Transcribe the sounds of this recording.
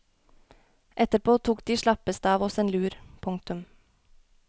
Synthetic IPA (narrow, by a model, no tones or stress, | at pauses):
ʔɛt̪əɾpʰoːt̪ʰuːkd̪̥iːʃɭɑpəst̪əɑːʋɔseːnlʉːɾpʰʊŋk̚t̪ʉm